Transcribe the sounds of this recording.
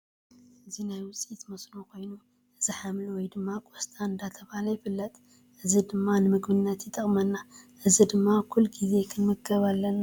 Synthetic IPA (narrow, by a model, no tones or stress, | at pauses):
ɨzinajwʊt͡sʼit̪mɐsnokʰo̞jnu | ʔɨziħamlwɔjd̪ɨmːakʼost̪ʰʼaɨnd̪at̪ʰɐβalɐjɪfɨlːɐt̪ʼ | ʔɨzid̪ɨmːanɨmɨɡbɨnːɐt̪jɪt̪ʼɐχʼmɐnːaʔɨzid̪ɨmːakʰulːɡize̞kʰɨnmɨɡɐβalːɐnːa